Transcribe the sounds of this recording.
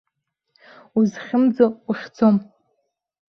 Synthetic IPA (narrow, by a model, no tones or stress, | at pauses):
uzχʲɪmd͡zouχʲt͡sʰom